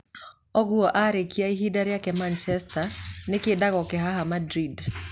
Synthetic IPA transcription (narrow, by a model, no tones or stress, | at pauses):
ɔɡuɔʔaɾekiaiɦidaɾjakɛmant͡ʃɛstanɪkɪdaɣɔkɛɦaɦamadɾid